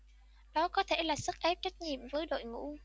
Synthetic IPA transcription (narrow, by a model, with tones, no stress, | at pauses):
ɗɔ˨˦kɔ˨˦t̪ʰe˧˩laː˨˩sə˦˥k̚ʔɛ˦˥p̚t͡ɕa˦˥k̟̚ɲḭ˧˨əmvəː˨˦jɗo̰˧˨jŋṵ˧˥